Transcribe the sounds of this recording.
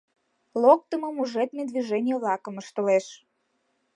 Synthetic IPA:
lok̚t̪əmɤ̆muʒet̪mʲed̪viʒenʲɪjəβlɑkə̆məʃt̪oleʃ

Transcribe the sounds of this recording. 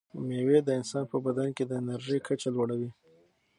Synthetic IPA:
mewed̪əɪnsɑnpəbad̪anked̪əɪnaɾʒəjkʰat͡ʃalwaɽawi

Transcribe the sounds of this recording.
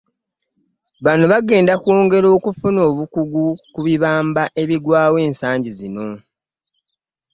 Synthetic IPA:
βanoβaɡe̞ːndakwoːŋɡe̞ɾo̞ːkufuno̞ːβukuɡukuβiβaːmbaʔe̞βiɡwaːwe̞ːnsaːɲɟizino̞

